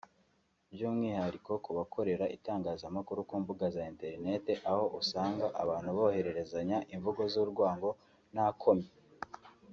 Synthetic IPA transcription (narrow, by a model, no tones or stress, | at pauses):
bjuːmŋiːhaɾikʰo̞kuβakʰo̞ɾe̞ɾaʔitaːŋɡaːzamakuɾukuːmbuɡazaente̞ɾine̞te̞ʔaho̞ʔusaːŋɡaʔaβaːn̥huβo̞he̞ɾe̞ɾe̞zaɲaʔiɱvuɡo̞zuɾɡwaːŋɡo̞ | n̥hakʰo̞me